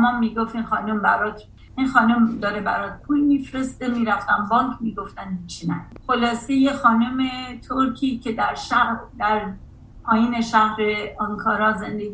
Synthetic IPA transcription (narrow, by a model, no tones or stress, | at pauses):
mɒmːiːɡoft̪inxɒːnombæɾɒt̪ʰ | inxɒːnomd̪ɒːɾebæɾɒt̪̚pʰuːjmifɾe̞st̪emiːɾæft̪æmbɒːŋkʰmiːɡoft̪ænit͡ʃʰinæ̰nxo̞lɒːsejexɒːnome̞t̪ʰoɾkʰiːcʰe̞d̪æɾʃæhɾd̪æɾ | ɒːjiːneʃæhɾeɒŋkʰɒːɾɒːzend̪eɡ